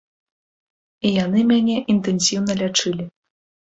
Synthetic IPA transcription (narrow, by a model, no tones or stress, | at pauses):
ijan̪ɨmʲanʲɛʔint̪ɛnsʲiwnɐlʲat͡ʂɨlʲi